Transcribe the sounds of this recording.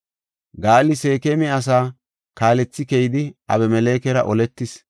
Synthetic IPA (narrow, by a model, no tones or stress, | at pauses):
ɡaːlːɪse̞ːkemɛɐs̬aː | kaːlɛt͡sːɪkɛjɪd̪ɪʔɐ̰βɛmɛle̞ːkɛɾɐʔɔlɛt̪ːɪs